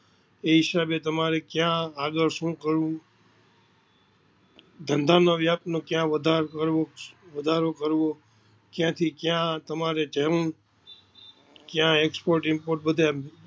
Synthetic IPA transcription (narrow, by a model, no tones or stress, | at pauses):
eɦɪsabet̪əmaɾekjãaɡəɾʃũːkəɾũ | d̪ʱənd̪ʱanoʋjaːp̚t̪nõkjãʋəd̪ʱaɾkəɾʋoʋəd̪ʱaɾokəɾʋo | kjãt̪ʰikjãt̪əmaɾed͡ʒeɾn | kjãekspoɾʈɪmpoːɾʈ̚bəd̪ʱe